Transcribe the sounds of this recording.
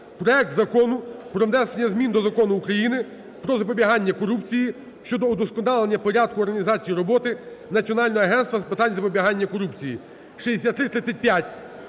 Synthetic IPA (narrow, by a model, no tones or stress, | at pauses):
pɾɔɛk̚t̪zɐkɔnʊpɾɔʋnɛsenʲːɐzmʲind̪ɔzɐkɔnʊːkɾɐjinɪ | pɾɔzɐpɔbʲiɦɑnʲːɐkɔɾupt͡sʲiji | ʃt͡ʃɔd̪ɔːd̪ɔskɔnɑlˠenʲːɐpɔɾʲad̪̚kʊɔrɦɐnʲizɑt͡sʲijiɾɔbɔt̪ɪnɐt͡sʲiɔnɑlʲnɔɦɔɐɦɛnst̪ʋɐspɪt̪ɑnʲzɐpɔbʲiɦɑnʲːɐkɔɾupt͡sʲiji | ʃɛd̪esʲat̪ːɾɪt̪ːʲɪt͡sʲːɐt̚ʲpʲjatʲ